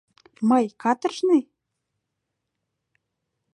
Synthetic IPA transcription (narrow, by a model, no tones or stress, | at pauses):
mɤjkɑt̪ə̆rʃne